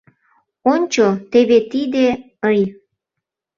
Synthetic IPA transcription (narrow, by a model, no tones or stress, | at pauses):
onʲt͡ɕot̪eβet̪id̪e | əj